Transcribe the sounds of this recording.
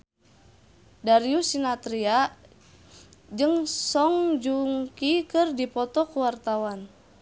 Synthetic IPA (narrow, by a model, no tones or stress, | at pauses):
daɾiusinat̪ɾia | d͡ʒɨŋsɔŋd͡ʒuŋkikɨrdipɔt̪ɔkuwart̪awan